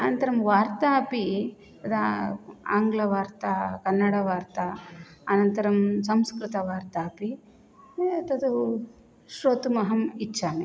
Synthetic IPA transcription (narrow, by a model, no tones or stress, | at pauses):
ɐnɐnt̪ɐɾɐmʋaːɾt̪aːɐpi | t̪ɐd̪ɐa̰ːŋɡlɐʋaːɾt̪ɐkɐnːɐɽɐʋaːɾt̪ɐɐnɐnt̪ɐɾɐmsɐmskɾɪt̪ɐʋaːɾt̪aːpi | t̪ɐd̪u | ʃɾoːt̪umɐɦɐmit͡ʃːt͡ʃːaːmi